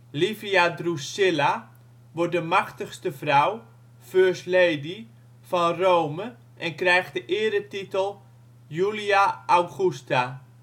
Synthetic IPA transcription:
lifiadrusɪla | ʋɔt̚dəmaxtəxstəfraw | føːɹsleːdi | fɔnrowmə | ʔɛnkrɛjxtdəʔɪəɾətitəlˠ | juliaʔawɣusta

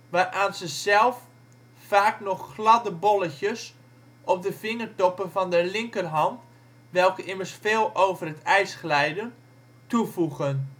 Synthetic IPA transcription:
ʋaːrʔaːnzəzɛlˠf | faːknɔxːlɑdəbɔlˠəçəs | ʔɔp̚dəfɪŋərtɔpənvɔndəlɪŋkərɦɑnt | ʋɛlˠkəʔɪmərsfeːlˠoːwvərətɛjsχəlɛjdən | tufuɣən

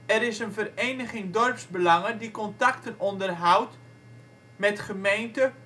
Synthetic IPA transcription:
ɛɾɪsənvərejnəχɪŋdɔrpsbəlɑŋədikɔntaktənɔndərɦawt | mɛtχəmejntə

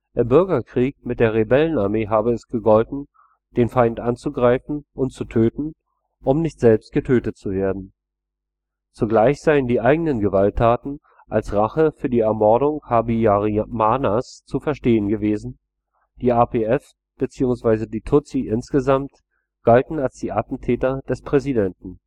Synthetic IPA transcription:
ʔʔɪmbʏɐɡɐkʁ̥iːk̚mɪt̚d̥eːɐʁ̞ebɛlənaɐmeːɦaːbəɛsɡ̥əɡɔltn̩ | d̥eːnfaɪntʔant͡suɡʁaɪfn̩ʔʊntt͡sutʰøːtn̩ | ʔʊmnɪçtz̥ɛlpst̚ɡ̥ətʰøːtətt͡suveːɐdn̩ | t͡suɡlaɪçz̥aɪəndiːʔaɪɡənənɡəvaltʰːaːtn̩ | ʔalsʁaχəfyːɐdiːɛɐmɔɐdʊŋhabiaʁimaːnast͡sufɛɐʃteːənɡəveːzn̩ | d̥iːʔapeɛs | b̥ət͡siːʊŋsv̥aɪzədiːtʰʊt͡siʔɪnsɡ̥əzamt | ɡ̥altn̩alsd̥iːʔatn̩tʰɛːtɐd̥ɛspʁ̥ɛzidɛntn̩

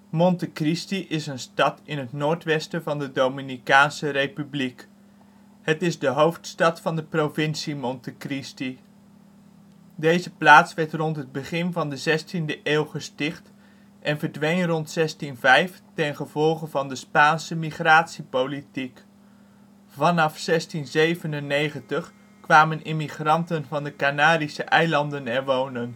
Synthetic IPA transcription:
mɔntəkristiʔɪsənstɑtɪnɦətnoːɹtʋɛstəvɑndədowminikaːnsərejpyblik | hətɪzdəɦowftstɑtfɑndəprovɪnsimɔntəkristi | dejzəplaːtsʋɛɹtrɔntɦəd̚bəχɪnvɑndəzɛstindəʔeːlˠχəstɪχt | ʔɛnvəɹdʋejŋrɔntsɛstinvɛjftɛnχəv̥ɔlˠχənvɑndəspaːnsəmiχraːtsipowlitik | vɑnɑfsɛstinzejvənənːejχəntəχ | kʋaːmənʔɪmiχrɑntənvɑndəkanaːdisəʔɛjlɑndənɛɹʋownən

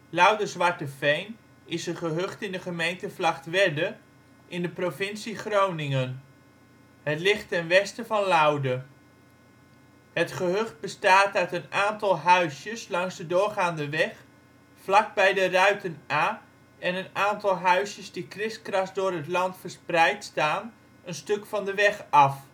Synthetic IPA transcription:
lʌwdəzʋɑɹtəfejn | ɪsəχəɦɵχtɪndəχəmejntəvlɑχtʋɛdə | ʔɪndəprovɪnsiχrownɪŋən | ɦətlɪχtɛnʋɛstəvɑnlawdə | hətχəɦɵχt̚bəstaːtœɥtənaːntɑlˠɦœɥsjəslɑŋzdədʊːɹχaːndəʋɛχ | flɑk̚bɛjdərœɥtənaː | ɛnənaːntɑlˠɦœɥsjəzdikrɪskrɑsdʊːɹɦətlɑntfəɹsprɛjtstaːn | ənstɵkfɑndəʋɛχɑf

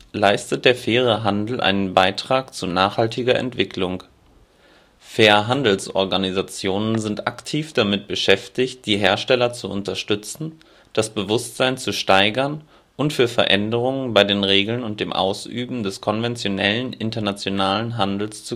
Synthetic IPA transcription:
laɪstət̚d̥eːɐfeːʁ̞əɦandl̩ʔa̰ɪnənbaɪtʁ̥aːkt͡sunaːχhaltɪɡɐʔɛ̰ntv̥ɪkʰlʊŋ | feːɐɦandl̩sʔɔ̰ɐɡanizat͡sjoːnənzɪntʔa̰ktʰiːfd̥amɪt̚b̥əʃɛftɪçt̚d̥iːɦeːɐʃtɛlɐt͡suʔʊntɐʃtʏt͡sn̩ | d̥asb̥əvʊstz̥aɪnt͡suʃtaɪɡɐn | ʔʊntfyːɐfɛɐʔɛndəʁ̞ʊŋənbaɪdeːnʁeːɡl̩nʊnt̚d̥eːmʔa̰ʊsy̰ːbm̩dɛskʰɔnvɛnt͡sjonɛlənʔɪntɐnat͡sjonaːlənɦandl̩st͡su

